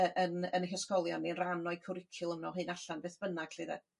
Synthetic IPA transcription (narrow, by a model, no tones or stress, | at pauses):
əʔənənəɦəskɔlˠjɔnːiənranɔɨkʰʊɾɪkʰɪlˠəmnɔɦɨːnaɬanbeːθb̥ənaɡ̥ɬiːðɛ̰